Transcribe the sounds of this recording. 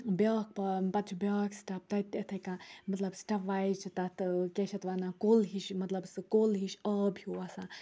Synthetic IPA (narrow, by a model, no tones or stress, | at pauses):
bʲaːk̚pɐpɐt̪̚t͡ʃʰubʲaːksʈɐp̚t̪ɐt̪ɐt̪ʰɐkãmɐt̪lɐbsʈɐʋaːjt͡ʃʰit̪ɐt̪ɨkeʃʰɐt̪ʋanãkoːlɦiʃmɐt̪lɐbsɨkoːlɦiʃəːbjuɐsãː